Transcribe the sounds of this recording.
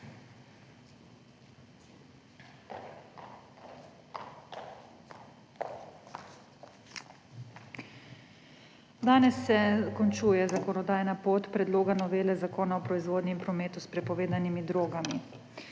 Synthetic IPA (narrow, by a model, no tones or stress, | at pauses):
d̪aːnɛsːɛkɔnt͡ʃuːjɛzakɔnɔd̪aːjnapoːt̪pɾɛd̪loːɡanɔʋeːlɛzakoːnaɔpɾɔizʋoːd̪nɛmpɾɔmeːt̪uspɾɛpɔʋeːd̪animid̪ɾoːɡami